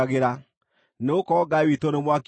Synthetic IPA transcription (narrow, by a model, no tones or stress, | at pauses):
ɣeɾa | neokɔɡawitonemwak